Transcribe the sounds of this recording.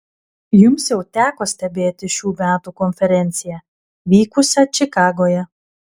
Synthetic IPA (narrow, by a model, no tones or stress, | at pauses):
jʊmsjɛʊt̪ʲæːkoːsʲt̪ʲɛbʲeːt̪ʲɪʃʲuːmʲæːt̪ukɔnʲfʲɛɾʲɛnʲt̪sʲɪjæ | ʋʲiːkʊsʲat͡ʃʲɪkɑːɡoːjɛ